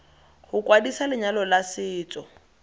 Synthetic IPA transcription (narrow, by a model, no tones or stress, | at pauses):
hʊkʼwadisalɪɲalɔlasɪːt͡sʼɔ